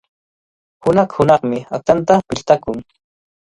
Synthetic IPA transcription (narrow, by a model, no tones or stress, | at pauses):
hʊnɑχhʊnɑχmɪat̪ant̪apɪʎt̪akʊŋ